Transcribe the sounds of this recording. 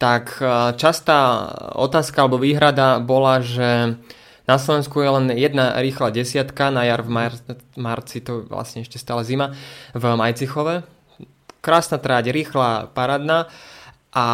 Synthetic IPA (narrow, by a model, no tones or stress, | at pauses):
t̪akt͡ʃast̪aːɔ̰t̪aːskaalɛbɔʋiːɦɾad̪abɔlaʒɛ | naslɔʋɛnskujɛlɛnjɛd̪naɾiːxlaːɟɛsɪat̪kanajaɾvmamaɾt͡sit̪ɔʋla̰sɲɛɛʃcɛst̪aːlɛzimavmajt͡sixɔʋɛ | kɾaːsnat̪ɾaːɟɾiːxlaːpaɾaːd̪na | ʔa